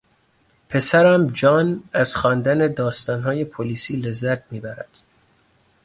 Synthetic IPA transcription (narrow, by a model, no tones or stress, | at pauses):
pʰe̞sæɾæmd͡ʒɒːnæz̥xɒːnd̪æne̞d̪ɒːst̪ɒːnɦɒːje̞pʰoliːsiːle̞zːæt̪̚miːbæɾæd̪̥